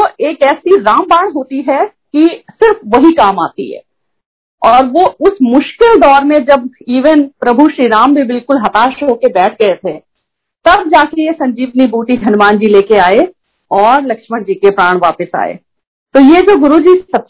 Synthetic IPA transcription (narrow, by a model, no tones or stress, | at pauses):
oeːkɛːsiɾaːmbaːɽ̃ɦoːt̪iɦɛ | kisɪɾfʋɐɦikaːma̰ːt̪ḭɦɛ̰ː | ɔːɾʋoʊsmʊʃkɪld̪ɔːɾmẽd͡ʒɐbiːʋənpɾɐbʱuʃɾiːɾaːmbʱibɪlkʊlɦɐt̪aːʃɦoːkebɛːʈ̚ʰɡɐet̪ʰe | t̪ɐb̚d͡ʒaːkejesɐ̃ɲd͡ʒiːbnibuːʈid̪ʱɐnʋaːnd͡ʒileːkeaːe | ɔːɾlɐkʃməɽd͡ʒiːkepɾaːɽ̃ʋa̰ːpəsa̰ːḛː | t̪oːjed͡ʒoːɡʊɾud͡ʒisɐ